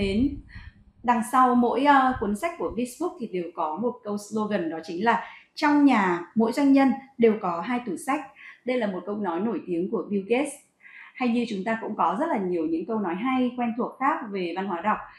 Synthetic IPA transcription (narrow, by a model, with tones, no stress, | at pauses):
ɗe˨˦n | ɗa˨˩ŋsa˧wmo̰˧˥jku˨˦ənsa˦˥k̟̚kːu˧˩əfi˧˦sɓu˦˥k̚t̪ʰi˨˩ɗe˨˩wkɔ˨˦mo˨˩t̚kə˧wslo˧ɣə˨˩nɗɔ˨˦t͡ɕï˨˦ŋ̟laː˨˩t͡ɕɔ˧wŋ͡mɲaː˨˩mo̰˧˥jzwa˧jŋ̟ɲə˧nɗe˨˩wkɔ˨˦ɦaː˧jt̪u˧˩sa˦˥jk̟̚ɗə˧jlaː˨˩mo˨˩t̚kə˧wnɔ˨˦jno˧˩jt̪i˨˦əŋku˧˩əvi˧wke˦˥s | ha˧jɲɨ˧t͡ɕʊ˨˦ŋ͡mt̪aː˧kʊ̰˧˥ŋ͡mkɔ˨˦zə˦˥t̚laː˨˩ɲi˨˩əwɲɨ̰˧˥ŋkə˧wnɔ˨˦jɦa˧jkwɛ˧nt̪ʰu˨˩ək̚xaː˦˥k̚ve˨˩va˧nɦwaː˨˦jɗa˨˩wk͡p̚